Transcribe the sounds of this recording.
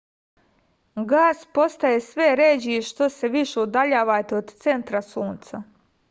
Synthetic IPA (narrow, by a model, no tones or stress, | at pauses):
ɡaːspo̞st̪ajesʋeɾed͡ʑiʃt̪o̞seʋiʃeud̪aʎaːʋat̪eod̪t̪se̞nt̪ɾasuːnt̪sa